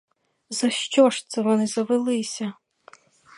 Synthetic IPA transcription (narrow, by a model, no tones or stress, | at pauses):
zɐʃt͡ʃɔʃt̪sɛʋɔnɪzɐʋɪlˠɪsʲɐ